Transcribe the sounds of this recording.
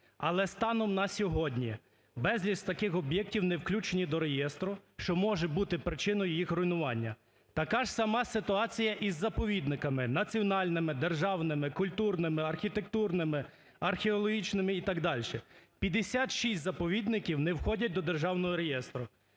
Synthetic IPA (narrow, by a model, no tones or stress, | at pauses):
ɐlˠɛst̪ɑnɔmnɐsʲɔɦɔdʲnʲi | bɛzʲlʲist̪ɐkɪxɔbjɛk̚tʲiwnewklʲut͡ʃenʲid̪ɔɾejɛst̪ɾʊʃt͡ʃɔmɔʒɛbut̪ɪpɾɪt͡ʃɪnɔjijixɾʊjinʊʋɑnʲːɐ | t̪ɐkɑʒ̥sɐmɑsɪt̪ʊɑt͡sʲijɐʔizːɐpɔʋʲid̪nɪkɐmɪnɐt͡sʲiɔnɑlʲnɪmɪd̪erʒɑwnɪmɪkʊlʲt̪urnɪmɪɐrxʲit̪ek̚t̪urnɪmɪ | ɐrxʲeɔlˠɔɦʲit͡ʃnɪmɪit̪ɐɡd̪ɑlʲʃɛpʲjɐd̪esʲɑt̪ʃisʲtʲzɐpɔʋʲid̪nɪkʲiwnewxɔdʲɐt̚ʲd̪ɔd̪erʒɑwnɔɦɔɾejɛst̪ɾʊ